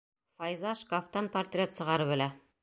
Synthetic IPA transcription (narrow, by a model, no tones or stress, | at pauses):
fɑjzɑʃkaft̪ɑnpɐrt̪rʲet̪sɤ̆ʁɑɾɤβɘ̆læ